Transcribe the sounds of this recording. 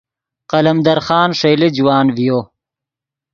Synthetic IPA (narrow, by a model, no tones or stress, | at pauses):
qɐlɐmd̪ɐɾxɑːnʂejlid͡ʒuwaːnvijoː